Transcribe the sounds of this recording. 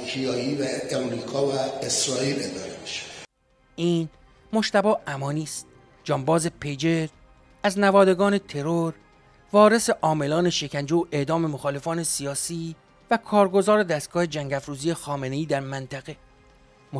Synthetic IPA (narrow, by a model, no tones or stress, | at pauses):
hiɒːivæemɾikʰɒːvæesɾɒːiled̪ɒːɾemiʃe̥ | ʔiːn | mo̞ʃt̪æbɒːʔæmɒːniːst̪̚ | d͡ʒɒːmbɒːze̞pʰejd͡ʒeɾ | æznævɒːd̪e̞ɡɒːne̞t̪ʰe̞ɾoɾ | vɒːɾe̞se̞ʔɒːme̞lɒːne̞ʃe̞cʰænd͡ʒeoʔe̞ʔd̪ɒːme̞moxɒːle̞fɒːne̞sijɒːsiː | vækʰɒːɾɡo̞zɒːɾe̞d̪æst̪̚ɡ̥ɒːhe̞d͡ʒæŋɟæfɾuːziːjexɒːme̞ne̞iːd̪æɾmænt̪ʰæɣe̞ | mo